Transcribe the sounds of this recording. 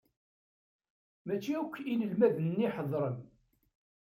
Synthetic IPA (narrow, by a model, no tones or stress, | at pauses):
mæt͡ʃːiukʷːiləlmæðnnːiħəðˤɾˤən